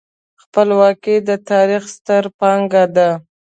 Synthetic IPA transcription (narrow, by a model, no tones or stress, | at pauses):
xpəlwɑkid̪ət̪ɑɾixst̪əɾpɑŋɡad̪a